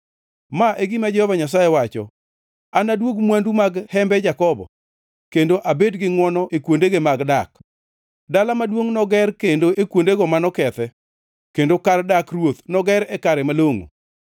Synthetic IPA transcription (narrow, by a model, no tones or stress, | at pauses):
maʔeɡɪmad͡ʒɛhɔvaɲas̬ajɛwat͡ʃɔ̰ | anadwoɡmwandumaɡhɛmbɛd͡ʒakɔbɔ̰ | kendoʔabedɡɪŋwɔnɔʔekwondeɡemaɡdak | dalamadwoŋnɔɡɛrkendoʔekwondeɡɔmanɔkɛt̪ɛ | kendokardakrwot̪nɔɡɛɾɛkaɾɛmaloŋo̰